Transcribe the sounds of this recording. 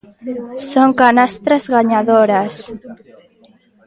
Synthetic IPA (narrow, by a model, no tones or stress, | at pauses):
soŋkanast̪ɾazɣaɲaðoɾas